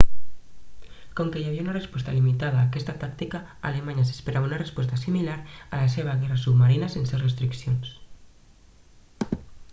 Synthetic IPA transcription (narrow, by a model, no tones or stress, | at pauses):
koŋkejaβiaunarespɔst̪alimit̪aðaːkɛst̪at̪ak̚t̪ikaa̰lemaɲas̬e̥speɾʔaβaunarespɔst̪asimilaɾalaseβ̞aɣ̞ɛrasubmaɾinasensewsrest̪ɾiksions